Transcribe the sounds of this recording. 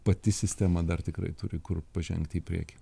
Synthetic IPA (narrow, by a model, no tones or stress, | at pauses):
pɐt̪ʲɪsʲɪsʲt̪ʲæmɐd̪ɐrt̪ʲɪkrɐ̰ɪt̪ʊɾʲɪkʊrpɐʒʲɛ̰ŋkt̪ʲɪːpʲɾʲḭɛkʲɪ